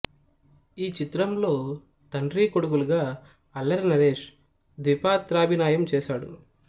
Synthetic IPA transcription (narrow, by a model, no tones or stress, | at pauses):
iːt͡ʃit̪ɾɐmlo̞ː | t̪ɐɳɾiːkoɽuɡuluɡaː | ɐlːɐɾnɐɾeːʂ | d̪ʋipaːt̪ɾaːbʱinaːjɐmt͡ʃɛːʃaːɽṵ